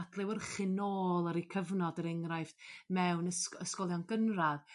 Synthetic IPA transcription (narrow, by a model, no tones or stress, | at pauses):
dlɪwərχɪnoːlˠaɾikʰəvnɔdəɾɛŋrajfmɛwnəsəskɔlˠjɔnɡənrað